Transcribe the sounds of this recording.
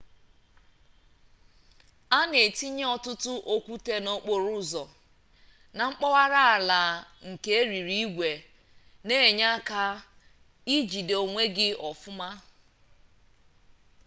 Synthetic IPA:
a˦ne˨ti˦ɲe˦ɔ˦tʊ˦tʊ˦ʔo˦kʷu˦te˦no˦k͡po˨ɾʊ˦zɔ˨ | na˨ŋ͡m̩˦k͡pɔ˦wa˦ɾa˦a˨la˨ŋ̩˨ke˦e˦ɾi˨ɾi˦i˦ɡʷe˨ | ne˦e˨ɲa˦ka˦ | i˦d͡ʒi˨do˨ŋʷe˦ɡɪ˦ɔ˨fʊ˦ma˦

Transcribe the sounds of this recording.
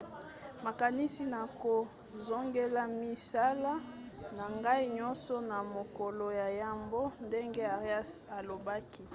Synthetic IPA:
ma˨ka˨ni˦si˦na˨ko˨ | zo˦ŋɡe˦la˦mi˦sa˦la˦ | na˨ŋɡa˦i˦ɲɔ˦nsɔ˦na˨mo˨kɔ˨lo˨ja˨ja˨mbo˦nde˦ŋɡe˦a˨ʁja˦sa˨lo˨ba˦ki˦

